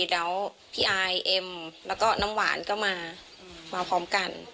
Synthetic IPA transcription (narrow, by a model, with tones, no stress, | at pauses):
lɛː˦˥w | pʰiː˧˩ʔa˧jʔe˧mlɛː˦˥wkɔː˥˩na˦˥mwa̰ː˩˦nkɔ˥˩maː˧ | maː˧pʰɔː˦˥mka˧n